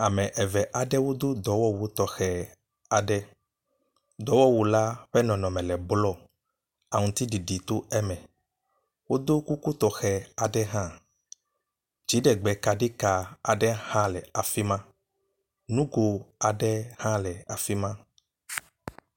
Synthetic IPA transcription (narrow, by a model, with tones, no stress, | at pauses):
a˨mɛ̃˨ʔɛ˨vɛ˨ʔa˨ɖɛ˦wo˦d̪o˦d̪ɔ˨wɔ˦wo˨˦t̪ɔ˨xɛ˨ | a˨ɖɛ˦ | d̪ɔ˨˦wɔ˦wu˨la˦ɸɛ˦nɔ̃˨nɔ̃˨mɛ̃˨lɛ˨blɔ˦ | a˨ŋũ˨t̪i˦ɖi˨ɖi˨t̪o˦ɛ˦mɛ̃˨ | wo˦d̪o˦ku˦ku˦t̪ɔ˨xɛ˨a˨ɖɛ˦ɦã˦ | d͡ʒi˨˦ɖɛ˨ɡ͡bɛ˨ka˨ɖi˦ka˨a˨ɖɛ˦hã˦lɛ˨a˨fi˦mã˦ | nũ˦ɡo˨a˨ɖɛ˦hã˦lɛ˨a˨fi˦mã˦